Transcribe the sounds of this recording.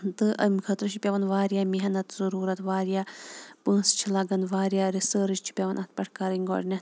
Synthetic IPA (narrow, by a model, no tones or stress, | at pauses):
t̪ɨʔɐ̰mʲikʰɐt̪ɾɨt͡ʃʰipʲɐʋɐnʋaːɾjaːmiɦɐnɐt̪zɐɾuːɾɐt̪ʋaːɾjaːpə̃ːst͡ʃʰilɐɡɐnʋaːɾʲjaːɾisəːɾɨt͡ʃt͡ʃʰi̥pʲɐʋɐnʔɐt̪̚pʲɐʈʰkaːɾiŋʲɡɔ̰ːɖnʲɐ